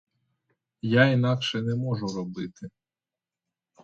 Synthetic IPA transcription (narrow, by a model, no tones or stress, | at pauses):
jainɑkʃɛnɛmɔʒʊɾɔbɪt̪ɪ